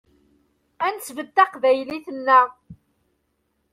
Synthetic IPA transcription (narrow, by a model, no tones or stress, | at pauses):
ænsvəd̪ːæqvæjliθənːæ